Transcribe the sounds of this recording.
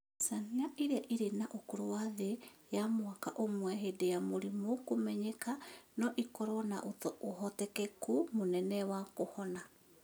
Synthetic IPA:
saniaʔiɾeaʔiɾenaʔokoɾowaðejamwakaʔomwɛɦedejamoɾimokomɛɲɛkanɔʔikɔɾɔnaʔotɔʔoɦɔtɛkɛkumonɛnɛwakohɔna

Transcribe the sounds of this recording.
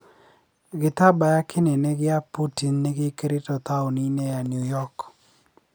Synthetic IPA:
ɡɪt̪abajakʰɪneneɡɪaputinːeɡɪkɾɪtɔt̪aʊninejanjujɔk

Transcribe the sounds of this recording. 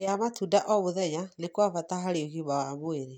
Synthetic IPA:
eamatudaʔɔβoðɛɲanekwavataɦaɾeoɣiβawamoeɾe

